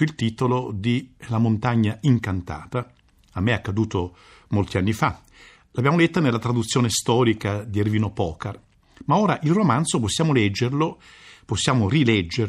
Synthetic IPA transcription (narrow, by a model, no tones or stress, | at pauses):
ilt̪it̪olod̪ilamont̪aɲːaiŋkant̪a̰ːt̪a | amːeakːad̪uːt̪o | molt̪ianːifa | labjaːmolet̪ːonelːat̪ɾad̪ut̪sːjoːnest̪ɔːɾikad̪ierviːnopɔːkar | maoːɾaʔilromant̪soposːjaːmolɛd͡ʒːerlo | posːjaːmorilɛd͡ʒːe